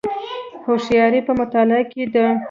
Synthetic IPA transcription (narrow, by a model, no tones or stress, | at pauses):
hoʃjɑɾipəmʊt̪ɑlɪaked̪ə